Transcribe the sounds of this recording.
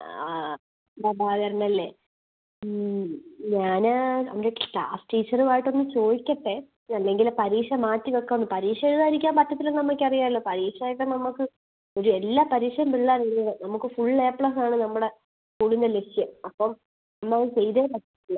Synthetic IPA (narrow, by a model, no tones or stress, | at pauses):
nd̪abʱaːʋɐɾɐnːɐlːeː | ɲaːnɐ̰mɾekʈːasʈiːt͡ɕːɐruʋaːjiʈːonːɨt͡ɕo̞ːðikʲːɐʈːe | ɐlːe̞ŋɡilpɐɾiːʂɐmaːtːiʋekːɐnːɨpɐɾiːʂɐeɾuðaːɾikʲːaːmpɐtːɐt̪ːilunnɐmːɐkʲːɨɐrijaːilːoːpɐɾiːʂɐaːjiʈːɐnɐmːukːɨ | oɾuelːaːpɐɾiːʂɐjɐmbiɭːarijnːɐðɨnɐmukːɨfuɭːeːpɭɐsaːɳɨnɐmːuɽe̞ | kuːɽind̪eleʂijɐmɐpːɐm | nɐmːɐɐðt͡ɕejðeːpɐʈːi̥tːilːɐ